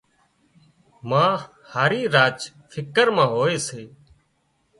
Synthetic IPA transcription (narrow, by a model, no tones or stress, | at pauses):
mãː | haːɾiːɾaːd͡ʒ | fʰɪkəɾmãːɦoːeːseː